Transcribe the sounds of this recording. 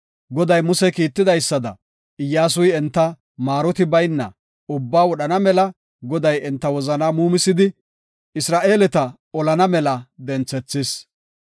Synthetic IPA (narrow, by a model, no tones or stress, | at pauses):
ɡɔd̪ɐjmʊsɛkiːt̪ːɪd̪ɐjsːɐd̪ɐ̰ | ɪjːaːs̬ʊjɛnt̪ːɐ | maːɾɔt̪ɪbɐjnːɐ̰ | ʊbːaːwɔɗɐnɐmɛlɐ | ɡɔd̪ɐjɛnt̪ːɐwɔzɐnaːmuːmɪsɪd̪ɪ | ɪsɾaːʔe̞ːlɛt̪ɐ | ɔlɐnɐmɛlɐd̪ɛnt͡sːɛt͡sːɪs